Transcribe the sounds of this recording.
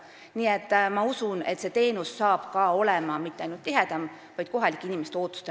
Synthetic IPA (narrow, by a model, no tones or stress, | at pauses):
niet̪ˑːmɑusune̞̰t̪se̞t̪e̞ːnusːɑːb̥kɑːo̞lemɑmit̪ːˑeɑjnult̪tːiɦed̪̥ɑm | vɑjd̪̥ko̞ɦɑlikːˑinimest̪eo̞ːt̪ːˑu̥st̪e